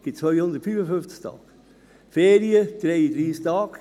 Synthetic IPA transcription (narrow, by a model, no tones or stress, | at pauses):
ɡ̥ɪt͡sʋœʏjhʊnd̪ətfyːfəfʏnft͡sɪ̥kt̪ʰɑ̰ːk | feːɾiəd̪̥ɾeɪid̪ɾiːstɑːk